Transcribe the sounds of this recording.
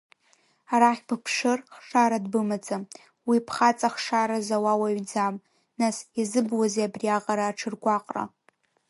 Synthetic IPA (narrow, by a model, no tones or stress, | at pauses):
aɾaχʲpʰɨpʰʂɨrχʂaɾadbɨmat͡sʼam | wipʰχat͡sʼaχʂaɾazawawaɥd͡zam | nasizɨbwazeabriaqʼaɾaːʈ͡ʂʰɨrɡʷaqʼra̰